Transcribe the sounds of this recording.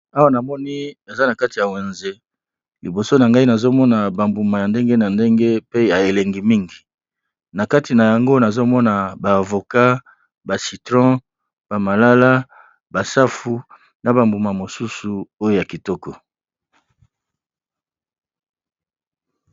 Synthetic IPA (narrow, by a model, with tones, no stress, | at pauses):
a˦wa˦na˨mɔ˦ni˦e˨za˦na˨ka˦ti˨ja˨we˨nze˦ | li˨bo˨so˦na˨ŋɡa˦i˦na˨zo˦mɔ˦na˨ba˨mbu˨ma˨ja˨nde˦ŋɡe˦na˨nde˦ŋɡe˦pe˦ja˨e˨le˨ŋɡi˨mi˦ŋɡi˨ | na˨ka˦ti˨na˨ja˨ŋɡo˦na˨zo˦mɔ˦na˨baː˨vo˨ka˦ | ba˨si˨tʁɔ̃˦ | b̥a˨ma˨la˦la˦ | ba˨sa˦fu˨ | na˨ba˨mbu˨ma˨mo˨su˦su˨o˦jo˦ja˨ki˨tɔ˦kɔ˨